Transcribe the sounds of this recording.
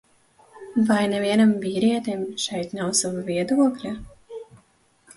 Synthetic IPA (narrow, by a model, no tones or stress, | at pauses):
vajnɛviɛnamviːɾiɛt̪emʃɛjt̪nawsavaviɛd̪uɔklʲa